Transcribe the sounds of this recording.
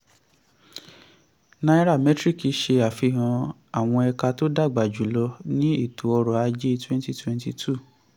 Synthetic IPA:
na˧i˦ɾa˦˨mɛ˨˦tɾi˦˨ki˨˧ʃe˧a˨fi˧˨ɦã˧ | a˨w̃ɔ̃˧ɛ˧ka˧to˦da˦˨ɡ͡ba˨d͡ʒu˨˦lɔ˧nĩ˦i˦˨tʰu˨ɔ˧ɾɔ˨a˧d͡ʒe˦˧twɛ̃˦n˦ti˦˨twɛ̃˦nti˧tʰu˦˨

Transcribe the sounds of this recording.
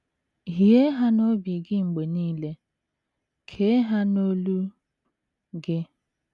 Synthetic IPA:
ɦi˨e˦ɦa˦no˦bi˨ɡɪ˦ŋ͡m̩˨ɡ͡be˨niː˦le˦ | kʰe˦ɦa˦no˦lu˦ | ɡɪ˦

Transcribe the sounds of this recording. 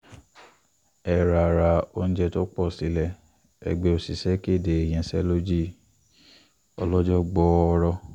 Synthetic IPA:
ɛ˨ɾa˨ɾa˧o˧ñ̩˦d͡ʒɛ˧to˦k͡pɔ˦˨si˨˦lɛ˦˨ | ɛ̰˨ɡ͡be˧˦o˧˨si˨sɛ˦ke˦˨de˨e˨j̃ɛ̃˧sɛ˦lo˦d͡ʒi˦˨ | ɔ̰˧lɔ˦d͡ʒɔ˦ɡ͡bɔ˧ɔ˧ɾɔ˧

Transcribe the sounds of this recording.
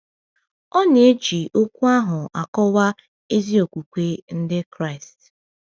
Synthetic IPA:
ɔ˦n˨e˦t͡ʃi˨ʔo˦kʷu˦a˦ɦʊ˨a˨kɔ˦wa˦ | e˦zi˦o˨kʷu˨kʷe˦n̩˦dɪ˦kɾa˦ɪ˨st

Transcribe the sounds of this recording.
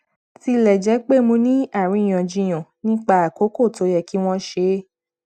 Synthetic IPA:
ti˧lɛ˨d͡ʒɛ˨˦k͡pe˦˨mõ˧nĩ˦a˦˨ɾ̃ĩ˧˦˨j̃ã˨d͡ʒĩ˧j̃ã˨nĩ˦k͡pa˦a˨ko˨˦ko˦˨to˨˦jɛ˧˨ki˦w̃ɔ̃˦ʃe˧˦

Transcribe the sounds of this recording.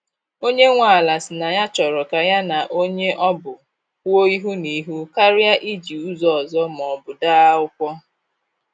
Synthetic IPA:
o˦ɲe˦ŋʷa˨la˨sɪ˨na˨ja˦t͡ʃɔ˨ɾɔ˨ka˨ja˦na˨ʔo˦ɲe˦ʔɔ˦bʊ˨ | ko˦i˦ɦu˦ni˨ɦu˦ka˦ɾɪ˦a˦ʔi˦d͡ʒi˨u˦zɔ˨zɔ˦m˨ɔ˨bʊ˨daː˦ʊ˦kʷɔ˦

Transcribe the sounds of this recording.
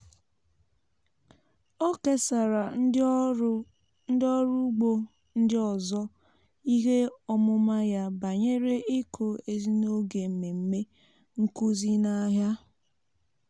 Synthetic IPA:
o˦ke˦sa˨ɾa˨˦ | n̩˦dɔ˦ɾu˦ɡ͡bo˦ | n̩˦dɪ˦ɔ˨zɔ˦ | i˦ɦe˦ɔ˦mʊ˦ma˦ja˦ba˨ɲe˦ɾe˦ʔɪ˦kʰo˨e˨zi˦no˦ɡe˨m̩˨me˨m̩˦me˦ | ŋ̩˦ku˦zi˦na˦ɦja˦

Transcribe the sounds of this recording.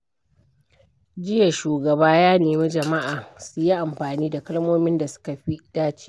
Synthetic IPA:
d͡ʒɪ˦ja˨ʃuː˨ɡɐ˨baː˦jaː˦neː˨mi˦d͡ʒɐ˨ma˦ʔaː˨sʊ˦ji˦ʔa˨mɸaː˨niː˦da˨kɐ˦lmoː˦mɪ˦nda˨sʊ̥˦ka˨ɸi˦ɗaː˦t͡ʃi̥˦

